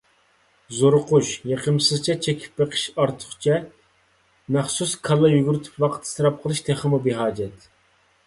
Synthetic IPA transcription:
zoɾʊquʃjeqʰəmsɨzt͡ʃʰɛt͡ʃʰekʲʰi̥p̚beqʰə̥ʃɑɾt̪ʰʊ̥χt͡ʃʰɛ | mæχsuskʰɑlˠːɑjyɡʲyɾyt̪ʰy̥pwɑqʰət̪ʰsɨɾɑp̚qʰəlˠɨʃt̪ʰeχəmubɪɦɑːd͡ʒɛt̪

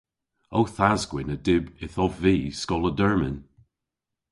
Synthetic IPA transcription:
owθazɡwɪnədɪbɪθɔvːiːskɔlˠədɜɹmɪ̰n

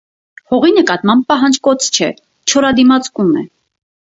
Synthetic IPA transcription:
hɔʁinəkɑt̪mɑmb̚pɑɦɑnd͡ʒkɔt͡sʰt͡ʃʰɛ | t͡ʃʰɔɾɑd̪imɑt͡skumɛ̰

